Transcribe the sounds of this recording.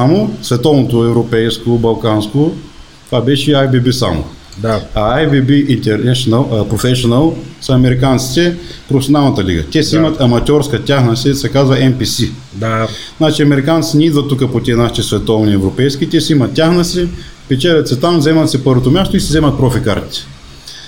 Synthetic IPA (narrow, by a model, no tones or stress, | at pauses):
samosvɛt̪ɔvnot̪oɛvɾopɛjskobɐlˠkansko | t̪vabɛʃɛajbibisa̰mo̰ | d̪aɐajbibiʔint̪ɛɾnɛʃonəlˠpɾofɛʃonɐlˠsɐɐmɛɾikant̪si̥t̪ɛpɾofɛsʲonalˠnɐt̪əlḭɡə̰t̪ʲɛsɛimɐt̪ɐmɐt̪ʲɔɾskət̪ʲaxnəsɛsɛkazvɐɛnpisi | d̪aznat͡ʃiɐmɛɾikant̪sinʲɛid̪vɐt̪ːukəpot̪ʲiɛnaʃit̪ɛsvɛt̪ɔvniɛvɾopɛjskʲit̪ʲɛsɛimɐt̪̚ːʲjaxnɐsɛ | pɛt͡ʃɛlʲɛt̪sɛt̪amzɛmɐt̪sɛpɤɾvot̪omʲjast̪oisɛzɛmɐt̪̚pɾɔfika̰ɾt̪i̥t̪ɛ̥